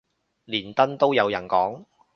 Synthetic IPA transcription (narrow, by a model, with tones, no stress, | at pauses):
liː˨˩nt̪ɐ˥nt̪o˥wjɐ˨˧wjɐ˨˩nkɔː˨˥ŋ